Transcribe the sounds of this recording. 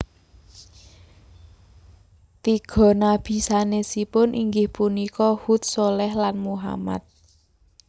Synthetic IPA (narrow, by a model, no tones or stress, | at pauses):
t̪iɡ̥ɔ̤nab̥i̤sanesipʊnʔiŋɡɪhpunikɔhut̪̚solɛhlanmuɦa̰ma̰t̪̚